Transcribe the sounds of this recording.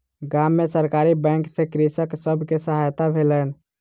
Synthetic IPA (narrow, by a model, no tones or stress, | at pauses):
ɡamːesəɾkaɾibɛ̃ŋksekɾisəksəbʱkesəɦajt̪abʱelən